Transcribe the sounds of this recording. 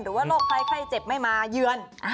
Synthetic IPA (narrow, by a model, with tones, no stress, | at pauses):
nɾɯː˩˦waː˥˩loː˥˩k̚kʰa˧˩jkʰla˥˩jt͡ɕe˨˩p̚ma˥˩jmaː˧jɯ˧ən